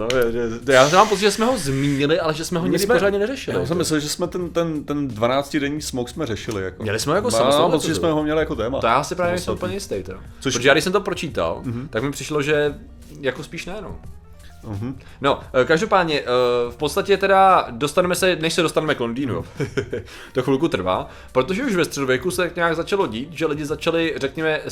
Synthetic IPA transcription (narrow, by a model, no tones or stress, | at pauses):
noɛɛjaːsmaːmpott͡sɪt̪ʒɛsmɛɦo̞zmiːɲɪlɪʔalɛʒɛsmɛɦoɲɪɡɾɪoɾaːdɲɛnɛrɛʃɪlɪasɛmɪsɛlʒɛsmɛt̪ɛnt̪ɛnt̪ɛndvanaːt͡scɪdɛɲiːsmowksmɛɾrɛʃɪlɪ̰ja̰koɲɛ̰lɪsmɛɦojakosamot͡sɪʒɛssmɛɦomɲɛlɪjakot̪ɛːma̰t̪ojaːʔasɪpɾaːvjɛnɛsɛmupl̩ɲɛjɪst̪ɛjt̪ɛ̰o̰ | soɾtoʒɛjaɡdɪsɛmt̪opɾo̞t͡ʃiːt̪a̰lt̪akmɪpr̥ɪʃloʒɛ | jakospiːʃnɛjɛno̰m̩ | ɦ̩ | no̞kaʒdo̞paːdɲɛʔfpot̪st̪acɛt̪ɛdadost̪anɛmɛsɛnɛʃsɛdost̪anɛmɛklondiːnṵ | t̪oxvɪlkut̪r̩va̰ː | pɾo̞t̪o̞ʒɛuʃvɛst̪r̥ɛdovjɛkusɛt̪akɲaːɡzat͡ʃalo̞ɟiːt̪ʒɛlɪɟɪzat͡ʃalɪrɛkɲɛmɛ